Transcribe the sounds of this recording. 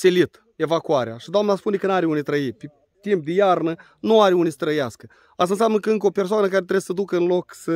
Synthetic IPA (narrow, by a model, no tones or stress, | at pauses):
selit̪ | e̞vakuaɾḛaʃid̪oamnaspunekənaɾeunijt̪ɾəipe | t̪imp̚d̪ejarnə | nuaɾeunijsə̥t̪ɾəjaskə | ast̪ansʲamnəkəɨŋkəo̞persoanəkaɾet̪ɾe̞ssəd̪ukəɨnlo̞ksə